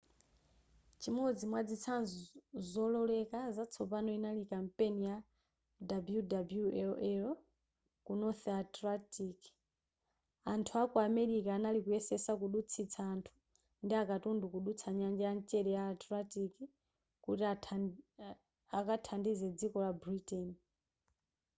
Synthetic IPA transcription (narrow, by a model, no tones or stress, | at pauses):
t͡ʃimɔd͡zimwad͡zit͡sʰanzzɔlɔlɛkazat͡sʰɔpanɔinalikampenija | dabjudabuɛlɛɔ | kunɔθatɾatiki̥ | antʰuakuamɛɾikaːnalikuɛsɛsakuɗut͡sʰit͡sʰaːntʰu̥ | ndiakatundukuɗut͡sʰaɲand͡ʒɛjant͡ʃɛlɛjaːtɾatiki | kutia | akatʰandizɛd͡zikɔlabɾitɛni